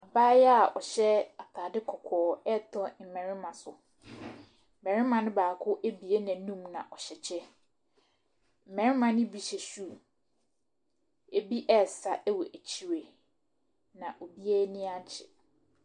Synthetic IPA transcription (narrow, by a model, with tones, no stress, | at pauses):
a˨baː˦jɛ˦a˨ʔɔ˨ɕɛ˦a˨tʰaː˨dɪ˦kʰɔ˨kʰɔː˨ɛ˦tʰɔ˦m̩˨mɛ̃˨ɾɪ̃˦mã˨sʊ˨ | m̩˨ɛ̃˨ɾɪ̃˦mã˨nʊ̃˦baː˨kʰʊ˦ʔæ˦bi˨e˦nã˨nũ˦mnã̰˨ʔɔ˨ɕɛ˨t͡ɕʰɛ˦ | m̩˨mɛ̃˨ɾɪ̃˦mã˨nɪ̃˦bi˨˦ɕɛ˨su˦˨ | e˨bi˦ʔɛ˦˨sa˨ʔɛ˦wɔ˨ʔæ˨t͡ɕʰi˨ɾe˨ | nã˨ʔo˨bi˦ɛ˦nɪ̃˦ã˦ɲ˦t͡ɕʰɪ˨